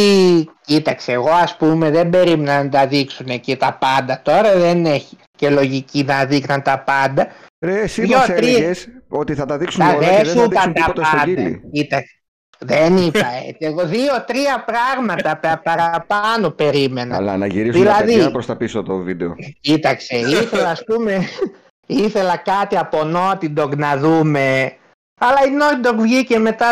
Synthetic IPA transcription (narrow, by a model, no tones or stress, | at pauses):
icit̪ɐkseːɣo̞ɐspume̞ðe̞mbe̞ɾimenɐnd̪ɐðiksunecit̪ɐpɐnd̪ɐt̪o̞ɾɐðe̞neçi̥ | ce̞lo̞ʝicinɐðixnɐt̪ɐpɐnd̪ɐesiiot̪ɾiesot̪iθɐt̪ɐðiksunɐðesut̪ɐt̪ɐpt̪ɐsɐnd̪ɐḭit̪ɐkse̥ | ðe̞nipɐet͡sieɣo̞ðio̞t̪ɾiɐpɾɐɣmɐt̪ɐpɐpɐɾɐpɐno̞pe̞ɾime̞nɐ̰ɐ̰lɐnɐʝiɾisðilɐðiɐpɾost̪ɐpisot̪ovid̪eo̰cit̪ɐkse̞iθelɐːspume̞ | iθe̞lɐkɐt̪iɐpo̞no̞t̪id̪o̞ɡnɐðume̞ | ɐlɐinot̪ind̪oɡvʝiceme̞t̪ɐ